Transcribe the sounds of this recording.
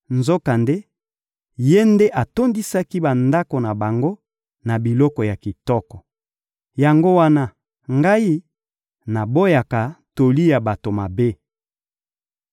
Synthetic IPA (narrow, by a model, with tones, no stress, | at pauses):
nzo˦ka˨nde˦ | je˦nde˦ʔa˨to˦ndi˦sa˦ki˦ba˨nda˦ko˨na˨ba˨ŋɡo˦ | na˨bi˨lɔ˦kɔ˨ja˨ki˨tɔ˦kɔ˨ | ja˨ŋɡo˦wa˦na˦ | ŋɡa˦i˦ | na˨bo˦ja˨ka˨to˨li˦ja˨ba˨to˨ma˨be˦